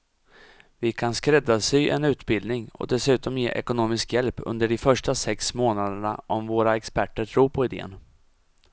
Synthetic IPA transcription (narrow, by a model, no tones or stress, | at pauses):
vɪkʰanskɾɛd̪ːasɪʔɛ̰nʉ̟ːt̪bɪld̪nɪŋɔ̰d̪ɛsʉ̟ːt̪ɔmjḛːʔɛ̰kʊnoːmɪskjɛlpɵ̰nd̪əɖɪfœʂʈasɛksmoːnad̪əɳa̰ʔɔmvoːɾaɛkspæʈːəʈʰɾuːɾpʰɔɪd̪ḛːə̰n